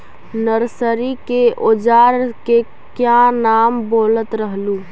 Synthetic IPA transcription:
nəɾsəɾikeʔod͡ʒaːɾke | kjanaːmboːlət̪ɾəɦluː

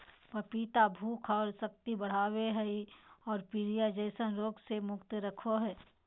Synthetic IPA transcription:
pəpiːt̪abʱuːkʰɔːɾsɐk̚t̪ibɐɽ̤aːweɦɛiɔːɾpiɾijad͡ʒəɪsənɾoːɡsemʊkt̪ɾɐkʰoɦɛː

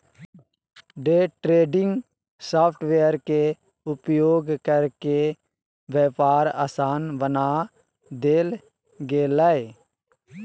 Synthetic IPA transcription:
ɖeːʈɾeːɖɪ̃ŋɡ | saːpʰʈʰʋejəɾke | ʊpjoːɡkəɾke | ʋɛːpaːɾa̰ːsaːnbənaː | d̪eːl | ɡeːlae

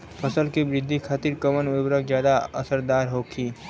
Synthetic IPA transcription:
pʰəsəlkebɾɪd̪ʱːikʰaːt̪iɾkəmənɪbɾəkzjaːd̪aəsəɾd̪aːɾɦoːkʰiː

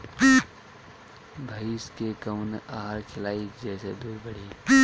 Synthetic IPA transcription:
pː | bʱəiskekəʊnaːɦaɾkʰɪlaːid͡ʒɛːsed̪uːɾbəɽ̤iː

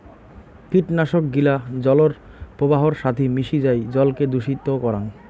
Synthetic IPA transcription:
kiʈnaʃok̚ɡilad͡ʑɔloɾ | pɾobaɦoɾʃat̪ʰimiʃid͡ʑajd͡ʑɔlked̪uʃit̪ːokɔɾan

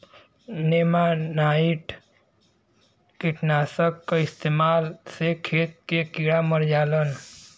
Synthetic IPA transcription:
nemanaːiʈ | kiʈnaːsəkːaɪst̪eːmaːlsekʰeːt̪̚kekiɽaməɾd͡ʒaːlən

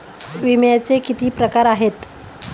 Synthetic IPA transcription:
ʋimjat͡sekit̪iːpɾəkaɾaɦet̪

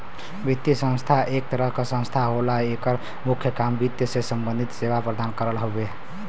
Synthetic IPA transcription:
bit̪jəsə̃nst̪ʰaʔek̚t̪əɾəɦkesə̃st̪ʰaɦolaekəɾ | mukʰjəkambit̪ːjəsesəmbənd̪ʱit̪seβapɾəd̪ankəɾəlɦobe

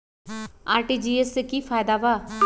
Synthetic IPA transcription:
a̰ːɾʈiːd͡ʒiːeskiːfʰaːjd̪aːʋaː

